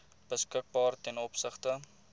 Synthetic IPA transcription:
b̥əskək̚bɑːrtɛnɔpsəχtə

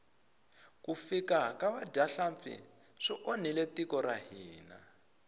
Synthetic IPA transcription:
kufikakaβadaɬamfḭ | ʂiʔon̤iletikɔɾaɦiːna̰

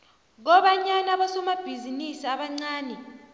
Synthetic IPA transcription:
ɣ̬ɔɓaɲanaβasɔmab̥ʱizinisiaɓaŋ͡ǀaːnɛ

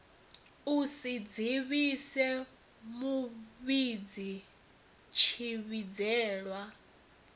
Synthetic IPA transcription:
usid͡ziβisɛ | muβid͡zi | t͡ʃʰiβid͡zɛːɺwa

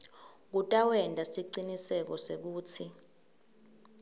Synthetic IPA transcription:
k̬utʼawɛndʱʼasiǀinisɛk̬ɔsek̬uːt͡sʰi

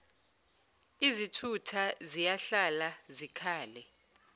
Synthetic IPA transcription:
izitʰutʰazijaɬalazikʰaːlɛ

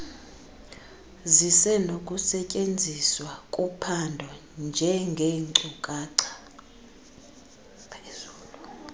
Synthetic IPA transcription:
zisɛnokʼusɛcʼend͡zʱiswakʼupʰandʱɔ | nd͡ʒʱɛŋɡʱeǀukʼaǀʰḁ | pʰez̥uːlu

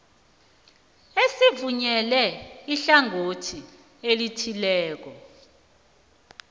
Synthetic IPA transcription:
esivuɲɛlɛiɬaŋʱotʰi | elitʰilɛːk̬ɔ

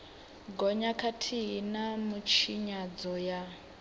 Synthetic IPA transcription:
ɡɔɲakʰatʰiɦinamut͡ʃʰiɲad͡zɔja

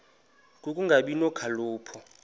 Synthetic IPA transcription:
k̬ʼukʼuŋɡʱaɓinɔkʰaluːpʰɔ

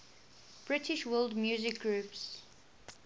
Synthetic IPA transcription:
b̥ɹɪtʰɪʃwɜːlˠdmjuːzɪk̚ɡɹuːps

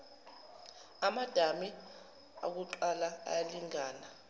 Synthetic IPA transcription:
amad̥ʱami | a̰k̬uǃalaa̰jaliŋaːna

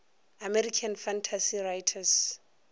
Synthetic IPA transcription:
amɛɾikʰanfantʰasirajtʰas

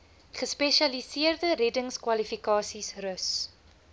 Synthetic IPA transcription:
χəspɛʃɐlisiərdəɾɛdəŋskwɐlifikɑːsisrəs

